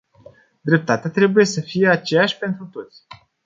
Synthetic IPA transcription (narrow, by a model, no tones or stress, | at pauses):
d̪ɾe̞p̚t̪at̪eat̪ɾe̞buje̞səfije̞at͡ʃe̞jaʃʲpe̞nt̪ɾut̪o̞t̪sʲ